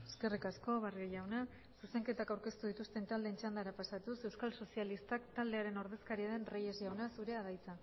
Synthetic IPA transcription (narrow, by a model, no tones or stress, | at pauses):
eske̞rikasko̞βareʝawna | suse̞ŋke̞t̪akawɾke̞st̪uðit̪ust̪e̞nt̪ald̪e̞nt͡ʃand̪aɾapasat̪use̞wskalso̞sialist̪akt̪ald̪e̞aɾe̞no̞ɾðe̞skaɾiaðe̞nreje̞zʝawnasuɾe̞aðajt͡sa